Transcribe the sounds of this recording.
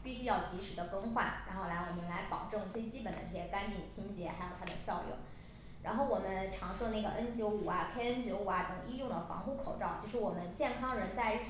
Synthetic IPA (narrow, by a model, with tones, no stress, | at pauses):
pi˥˩ɕy˥jɑ˥˩ʊt͡ɕi˧˥ʂɻ̩˨˩d̪ə˦kɤ˥ŋxwa˥˩nɻa̰˧˥nxo˥˩ʊla˧˥ɪwɔ˨˩mə˦˩nla˧˥ɪpɑ˨˩ʊʈ͡ʂɤ˥˧ŋt͡swe˥˩ɪt͡ɕi˥pə˨˩nd̪ə̰˦ʈ͡ʂɤ˥˩ɕjɛ˥ka˥nt͡ɕʰi˨˩t͡ɕʰi˥nt͡ɕjɛ˧˥xa˧˥ɪjo˨˩ʊt̪ʰa˥d̪ə˨ɕjɑ˥˧ʊljʊ̰˥˩ŋ | ɻa̰˧˥nxo˥˩ʊwɔ˨˩mə˦nʈ͡ʂʰɑ˧˥ŋʂo˥˧na˥˩ɡə̰˩ʔə˥nt͡ɕjo˧˥ʊu˨˩ɐ˦kʰe˥ɪə˥nt͡ɕjo˧˥ʊu˨˩ɐ˧˦t̪ɤ˨˩ŋi˥jʊ˥˩ŋd̪ə˩fɑ̰˧˥ŋxu˥˩kʰo˨˩ʊʈ͡ʂɑ˥˩ʊt͡ɕʰi˧˥ʂɻ̩˧˥wɔ˨˩mə˦nt͡ɕjɛ˥˩nkʰɑ˥ŋɻə˧˥nt͡sa˥˧ɪ˥˩